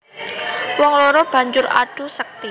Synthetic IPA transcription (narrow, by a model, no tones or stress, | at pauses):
wɔŋlɔɾɔb̥a̤ɲd͡ʒʊɾa̰ɖ̥ṳsək̚t̪i